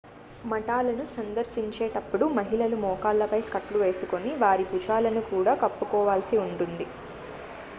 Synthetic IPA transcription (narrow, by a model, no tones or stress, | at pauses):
mɐʈaːlɐnusɐnd̪ɐɾʃiɲt͡ʃeːʈɐpːuɽumɐɦilɐlumɔːkaːlːɐpɐjskɐʈluʋe̞ːsuko̞niʋaːɾiput͡ʃaːlɐnukuːɽaːkɐpːukɔːʋaːlsiuɳʈund̪i